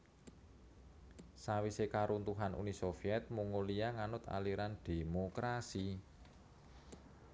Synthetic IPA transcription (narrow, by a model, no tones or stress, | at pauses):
sawisekaɾunt̪uɦanʔṵnisofiɛt̪̚muŋoliaŋanʊt̪a̰liɾand̪̥e̤mokɾasi